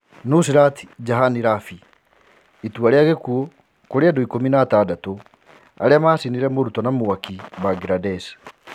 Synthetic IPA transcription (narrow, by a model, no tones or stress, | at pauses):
nus̬iɾati̥d͡ʒaɦaniɾafi | ituaɾeaɣekuɔ | koɾeadɔikominaːtadato | a̰ɾeamaːsiniɾɛmoɾutɔnamoakibaɡɾadɛs